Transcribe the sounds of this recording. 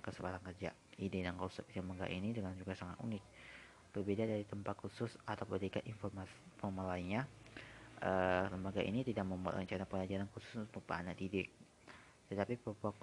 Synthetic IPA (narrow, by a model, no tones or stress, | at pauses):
kəsəbaɾaŋkərd͡ʒa̰ | idedaŋkɔlsɛp̚iləmbaɡa̰ʔinidəŋand͡ʒuɡasaŋat̪ṵŋɪk̚ | b̥ərbedadaɾit̪əmpat̪̚kusʊsat̪awpədikaʔinfɔrmaspɔmalaiɲa | ʔələmbaɡaʔḭnit̪idak̚məmala̰t͡ʃanapəŋlad͡ʒaɾankusʊ̥sbəpa̰anadidɪk̚ | t̪ət̪apipəupuak